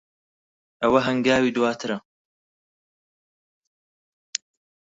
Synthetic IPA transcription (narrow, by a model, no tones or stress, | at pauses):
ɐwɐɦɐŋɡaːwiːd̪uwaːt̪ʰɨɾɐ